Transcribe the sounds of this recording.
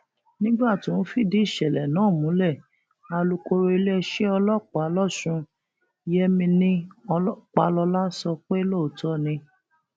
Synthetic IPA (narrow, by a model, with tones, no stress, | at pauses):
nĩ˦ɡ͡ba˦˨tĩ˨˦n̩˦fi˦˨di˨˦i˦˨ʃɛ˨lɛ˨nãː˨˦˨mũ˨˦lɛ˦˨ | a˧lu˧ko˧ɾe˧˦le˦ʃe˦ɔ˧lɔ˦˨k͡pa˨˦lɔ˦˨ʃũ˧˦ | jɛ˦mĩ˧nĩ˦˧˦ | k͡pa̰˨˦lɔ˧la˦sɔ˧k͡pe˦lo˦˨o˨˦tɔ˦nĩ˧